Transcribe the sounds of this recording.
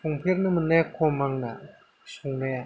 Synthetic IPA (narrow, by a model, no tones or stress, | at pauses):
oŋpʰernəmənakʰomaŋna | ɕoŋnaja